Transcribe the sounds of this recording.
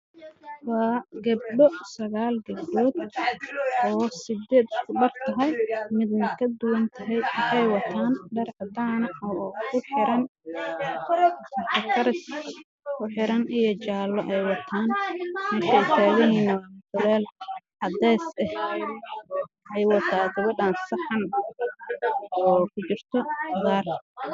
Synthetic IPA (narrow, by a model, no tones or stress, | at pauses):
wɑːɡɐb̚ɖɔsɐɣaːlɡɐb̚ɖɔːd̪ | ʔɔːsɪd̪ɛːd̪ʊskʰʊɖɐrt̪ʰɐɦɛjmɪd̪nɐkʰɐd̪ʊwɐnt̪ʰɐɦɛjwʊħɑjwɑt̪ʰaːnɖɐrʕɑd̪aːnɐɔkʰʊħɪɾɐn | sɐtʰɐk̪ʰɐɾɪs | kʰʊħɪɾɐnʔijɞt͡ʃaːlːɔʔɛjwɑt̪ʰaːnmɛːʃɐɪsaːɣɪɦiːnɐdʊlɛːlʕɑd̪ɛːsɛh | ʔɛjwɑt̪ʰaːɡɐβɐdaːnsɐħɑn | ɔːkʰʊt͡ʃɪrt̪ʰɔɣaːr